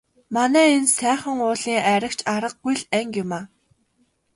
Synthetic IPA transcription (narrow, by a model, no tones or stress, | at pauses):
manæːensæːχə̆ŋʊːɮiːŋæɾə̆kt͡ɕʰaɾə̆q̚ɡujɮæŋkjʊmaː